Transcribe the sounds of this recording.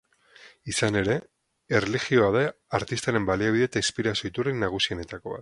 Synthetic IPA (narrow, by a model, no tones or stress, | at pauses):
isane̞ɾe̞ | erelixio̞aðeaɾt̪ist̪aɾe̞mbaliaβiðet̪ainspiɾasjo̞it̪urenːaɣ̞usiene̞t̪ako̞βa̰t̪